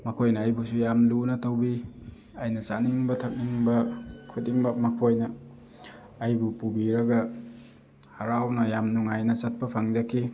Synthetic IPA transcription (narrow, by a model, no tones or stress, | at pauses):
mɐkʰojnɐːjbusujamlunɐtɐwbi | ajnɐsaniŋbɐtʰɐk̚niŋbɐkʰudiŋbɐmɐkʰojnɐː | jbupubiɾɐɡɐ | hɐɾawnɐjamnuŋajnɐsɐt̚pɐpʰaŋzɐkʰi